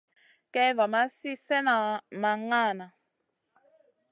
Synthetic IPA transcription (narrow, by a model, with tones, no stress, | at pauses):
kɛ˦va˨ma˦si˦sɛ˦na˨ma˨ŋa˦˨na˨